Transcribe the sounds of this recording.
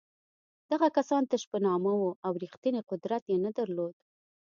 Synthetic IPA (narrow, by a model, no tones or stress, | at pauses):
d̪̥aɣakasɑnt̪aʃpənɑmawoʔawɾixt̪iniqʊd̪ɾat̪jenad̪aɾlod̪